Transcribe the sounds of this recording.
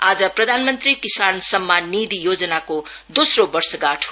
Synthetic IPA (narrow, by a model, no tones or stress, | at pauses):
ad͡zʌprʌd̪ʱanmʌnt̪rikisansʌmːanːid̪ijod͡zʌnako | d̪osrobʌrsʌɡaʈʰ